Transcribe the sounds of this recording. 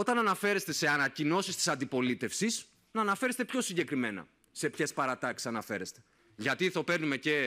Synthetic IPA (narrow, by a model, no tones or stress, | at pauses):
o̞t̪ɐnɐnɐfe̞ɾe̞st̪e̞se̞ɐnɐcino̞sist̪i̥sɐnd̪ipo̞lit̪e̞fsis | nɐnɐfe̞ɾe̞st̪epço̞siɲɟe̞kɾimenɐ̰ | se̞pçe̞spɐɾɐt̪ɐksi̥sɐnɐfeɾe̞st̪e̞ | ʝɐt̪iθope̞ɾnume̞ce̞